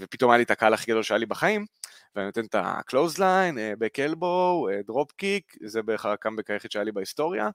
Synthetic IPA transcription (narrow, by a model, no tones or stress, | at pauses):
vepit̪o̞majalit̪akaalaχiɡado̞lʃeajalibaχaim | veaninot̪ent̪a̰klo̞wzlajnebekelbowed̪ʁopkikzebeχaʁakambekaje̞χet̪ʃeajalibaist̪o̞ʁja̰